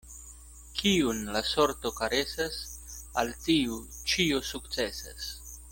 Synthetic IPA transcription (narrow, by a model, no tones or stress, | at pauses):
kʰiunlaso̞ɾto̞kaɾe̞sasaltiut͡ʃiosukt͡se̞sa̰s